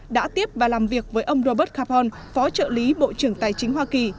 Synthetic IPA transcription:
ɗa̰ː˧˥t̪i˦˥əp̚vaː˨˩laː˨˩mvi˨˩ək̚vəː˨˦jʔə˧wŋ͡mzo˧ɓəː˦˥t̚kʰaː˧pɔ˧n | fɔ˨˦t͡ɕə̰ː˧˨li˨˦ɓo̰˧˨t͡ɕɨ˧˩əŋt̪aː˨˩jt͡ɕï˨˦ŋ̟ɦwaː˧ki˨˩

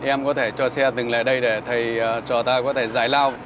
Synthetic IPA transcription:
ʔɛ˧mkɔ˨˦t̪ʰe˧˩t͡ɕɔ˧sɛ˧t̪ɨ˨˩ŋla̰ː˧˨jɗə˧jɗe˧˩t̪ʰə˨˩jt͡ɕɔ˧˩t̪aː˧kɔ˨˦t̪ʰe˧˩zaː˧˩jlaː˧w

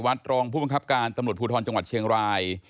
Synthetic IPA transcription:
wa˦˥t̪̚ɾɔː˧ŋpʰuː˥˩ba˧ŋkʰp̚kaː˧nt̪a˧mɾu˨˩t̪̚pʰuː˧t̪ʰɔː˧nt͡ɕa˧ŋwa˨˩t̪̚t͡ɕʰi˧əŋɾaː˧j

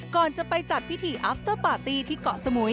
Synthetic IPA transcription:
kɔː˨˩nt͡ɕa˨˩pa˧jt͡ɕa˨˩t̪̚wi˦˥t̪ʰiː˧˩ʔaː˦˥p̚t̪ɤː˥˩paː˨˩t̪iː˧t̪ʰiː˥˩kɔ˨˩ʔsa˧mu˩˦

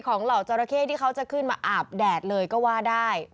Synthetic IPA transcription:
kʰɔː˩˦ŋla˨˩wt͡ɕɔː˧ɾa˧kʰeː˥˩t̪ʰiː˥˩kʰa˦˥wt͡ɕa˨˩kʰɯ˥˩nmaː˧ʔaː˨˩p̚dɛː˨˩t̪̚lɤː˧jkɔː˥˩waː˥˩daː˥˩j

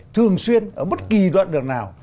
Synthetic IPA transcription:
t̪ʰɨ˨˩əŋswi˧ənʔəː˧˩ɓə˦˥t̚ki˨˩zwa̰ː˧˨nɗɨ˨˩ək̚naː˨˩w

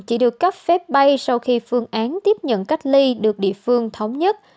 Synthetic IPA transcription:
t͡ɕi˧˩ɗɨ˨˩əkːa˦˥p̚fɛ˦˥p̚ɓa˧jsa˧wxi˧fɨ˧əŋʔaː˨˦nt̪i˦˥əp̚ɲə̰˧˨nka˦˥jk̟̚li˧ɗɨ˨˩k̚ɗḭ˧˨əfɨ˧əŋt̪ʰə˨˦wŋ͡mɲə˦˥t̚

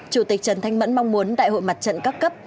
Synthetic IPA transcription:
t͡ɕu˧˩t̪i˨˩k̚t͡ɕə˨˩nt̪ʰa˧jŋ̟mə̰˧˥nmɔ˧wŋ͡mmu˨˦ənɗa̰ː˧˨jho̰˧˨jma˨˩t̚t͡ɕə̰˧˨nka˦˥kːə˦˥p̚

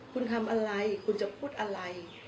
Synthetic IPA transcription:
kʰu˧nk̪ʰa˧mʔa˧ɾa˧jkʰu˧nt͡ɕa˧pʰuː˥˩t̪̚ʔa˧ɾa˧j

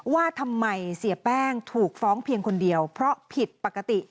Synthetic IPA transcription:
waː˥˩t̪ʰa˧mːa˧jsi˩˦əpɛː˥˩ŋt̪ʰuː˨˩k̚fɔː˦˥ŋpʰi˧əŋkʰo˧ndi˧əwpʰɾɔ˦˥pʰi˨˩t̪̚pa˨˩kːa˧t̪i˨˩

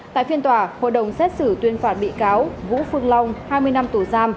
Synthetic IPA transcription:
t̪a̰ː˧˨jfi˧ənt̪waː˧˩ho̰˧˨jɗə˨˩wŋ͡msɛ˦˥t̚sɨ˧˩t̪wi˧ənfaː˨˩t̚ɓḭ˧˨kaː˨˦wvṵ˧˥fɨ˧əŋla˧wŋ͡mhaː˧jmɨ˧əjna˧mt̪u˧˩zaː˧m

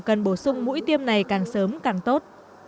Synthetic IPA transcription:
kə˨˩nɓo˧˩sʊ˧ŋ͡mmṵ˧˥jt̪i˧əmna˨˩jkaː˨˩ŋsəː˨˦mkaː˨˩ŋt̪o˦˥t̚

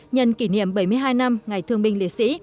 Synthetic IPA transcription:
ɲə̰˨˩nki˧˩nḭ˧˨əmɓə˧˩jmɨ˧əjɦaː˧jna˧mŋa˨˩jt̪ʰɨ˧əŋɓï˧ŋlḭ˧˨sḭ˧˥

